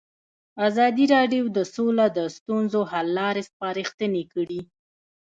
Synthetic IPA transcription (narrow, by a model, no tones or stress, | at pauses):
azɑd̪iɾɑɖjowd̪əsolad̪əst̪unzohalːɑɾespɑɾixt̪ənekəɽi